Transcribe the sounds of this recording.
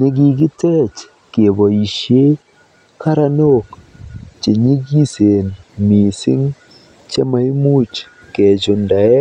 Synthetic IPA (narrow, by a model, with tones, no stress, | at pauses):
ne˦ɡi˨ɡɪ˦tɛ˦t͡ʃ | ke˨bɔ˨i˨ʃje˦ | ka˦ɾa˦no˦k | t͡ʃe˨ɲi˦ɡi˦se˨nmi˨sɪ̰˦ŋ | t͡ʃe˦ma˨˦i˦mu˦t͡ʃ | ke˨t͡ʃʊ˨nda˨ɛ˦